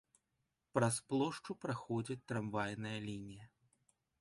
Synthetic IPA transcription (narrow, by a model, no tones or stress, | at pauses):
pɾɐsplˠɔʂt͡ʂupɾaxɔd͡zʲɐt͡sʲt̪ɾamvajnɨjɐlʲinʲijɐ